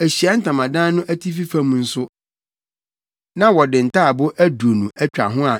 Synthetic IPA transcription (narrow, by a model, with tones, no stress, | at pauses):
æ˨ɕi˨a˦n̩˦tʰã˨mã˨dãː˦nʊ̃˦ʔæ˦tʰi˦fi˦fã˦mũ˨˦n̩˦sʊ˦ | nã˦wɔ˨dɪ̃˨n̩˨tʰaː˦˨bʊ˦ʔæ˦du˨o˨nũ˨ʔæ˦t͡ɕᶣa̰˨ɦʊ̃˦a˨